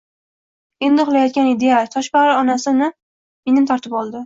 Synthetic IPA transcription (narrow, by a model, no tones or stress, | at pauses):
e̞nd̪ɪχʊlˠajɒt̪̚kʲanɪd̪e̞jat̪ʰɒʃbaɾɪɒnasɪnɪ | me̞nɪmt̪ʰɒɾt̪ʰɪpɒlˠd̪ɪ